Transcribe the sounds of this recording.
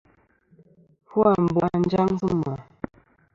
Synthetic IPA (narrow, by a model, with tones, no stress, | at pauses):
fu˦a˨m˨ba˨n˦d͡ʒa˦ŋ˦zɨ˦ma˨